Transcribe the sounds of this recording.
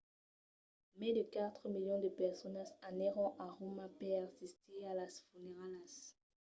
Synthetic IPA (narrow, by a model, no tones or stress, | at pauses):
mɛ̃d̪əkat̪χəmiljɔ̃d̪əpɛʁsɔnasanɛʁɔ̃ʔaʁomapɛʁsist̪ʰealasfuneʁalas